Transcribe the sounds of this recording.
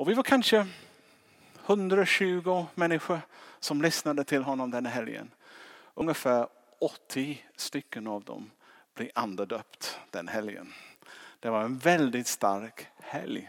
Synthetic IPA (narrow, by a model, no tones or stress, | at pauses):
ɔvɪvaɾkʰanʂə | hɵnd̪ɾaɔɕʉ̟ːɡʊmɛnːɪɧəsɔmlʏsnad̪ət̪ʰɪlɦɔnːɔmd̪ɛnːaɦɛljə̰n | ʔɵŋːəfæːɾ | ɔt̪ʰːɪst̪ʏkːənavd̪ɔ̰m | b̥lɪʔand̪əɖ̪œːpt̪d̪̥ɛnɦɛljə̰nd̪̥ɛvaɾɛnvɛld̪ɪt̪st̪aɾkhɛ̰lj